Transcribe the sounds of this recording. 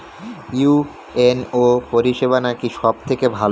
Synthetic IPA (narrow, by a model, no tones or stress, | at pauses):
ju | enopoɾiʃeβanakiʃɔb̚t̪ʰekebʱal